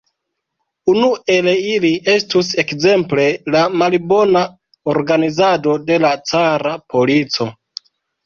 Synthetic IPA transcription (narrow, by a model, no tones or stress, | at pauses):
unue̞leiliʔe̞stuse̞kze̞mple̞lamalbo̞na | oɾɡanizado̞de̞lat͡saɾapʰo̞lit͡so̞